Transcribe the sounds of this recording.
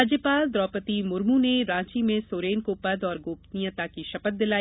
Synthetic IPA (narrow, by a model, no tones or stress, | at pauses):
ad͡ʒjəpaːld̪ɾɔːpət̪imʊɾmũneɾãːt͡ʃimẽsoːɾeːnkopɐd̪ɔːɾɡoːpt̪nijãt̪akiʃɐpət̪̚d̪ɪlaː